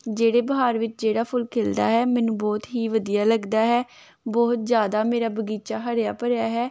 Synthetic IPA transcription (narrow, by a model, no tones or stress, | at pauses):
d͡ʒeːɽeːbəɦaːɾʋɪt͡ʃd͡ʒeːɽaːpʰʊlkʰeːld̪a̰ːɦɛːmɛ̃ːnũːbɔːt̪ɦiːʋəd̪ijaːləɡd̪aːɦɛː | bɔːt̪̚zjaːd̪aːmeːɾaːbəɡiːt͡ʃaːɦəɾjaːpəɾjaːɦɛː